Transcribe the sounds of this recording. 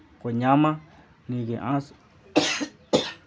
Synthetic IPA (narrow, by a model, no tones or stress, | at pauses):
koɲãmã | nĩɡeʔãs